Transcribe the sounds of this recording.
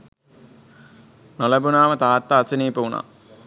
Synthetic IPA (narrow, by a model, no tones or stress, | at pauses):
nolɐbunaːʋɐt̪aːt̪ːaːsiniːpɐuna̰